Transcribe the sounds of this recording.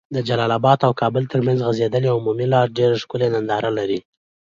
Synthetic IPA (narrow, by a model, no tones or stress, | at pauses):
d̪əd͡ʒalɑlabɑd̪awkʰɑbəlt̪əɾmanzɣazed̪əleaʊmumilɑɾɖeɾaʂkʊlenand̪ɑɾalaɾi